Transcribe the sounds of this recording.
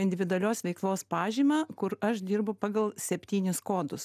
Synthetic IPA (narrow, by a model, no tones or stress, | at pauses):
ɪnʲd̪ʲɪʋʲɪd̪ʊɐlʲoːsʋʲɛɪklˠoːspɑːʒʲiːmɑːkʊɾɐʃd̪ʲiːɾbʊpɑːɡɐlˠsʲɛpʲt̪ʲiːnʲɪskoːd̪ʊs